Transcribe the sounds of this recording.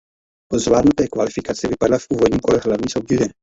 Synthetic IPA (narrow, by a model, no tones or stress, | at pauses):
pozvlaːd̪nut̪ɛːkvalifikat͡siɛvipadlafuːvɔd̪ɲimkɔlɛɦlavɲisobdʲid̪ɛ